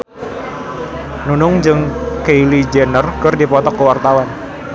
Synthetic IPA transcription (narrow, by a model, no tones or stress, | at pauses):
nunʊŋd͡ʒɨŋkeilid͡ʒenərkɨrdipɔt̪ɔkːəwart̪awan